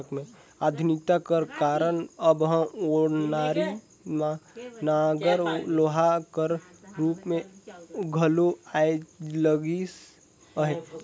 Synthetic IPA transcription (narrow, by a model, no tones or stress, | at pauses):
əkmẽ | aːd̪ʱʊnɪk̚t̪akəɾkaːɾənəbɦə̃oːɽnaːɾi | mãnaɡəɾloːɦakəɾ | ɾuːpmẽɡʱəloaed͡ʒləɡis | əɦe